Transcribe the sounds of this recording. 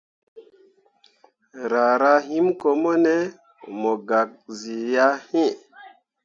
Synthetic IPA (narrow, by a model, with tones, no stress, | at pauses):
ɾa˨ɾa˦ɦi˦mko˨mo˦ne˦ | mo˨ɡa˨k̚zi˨ja˦hĩ˦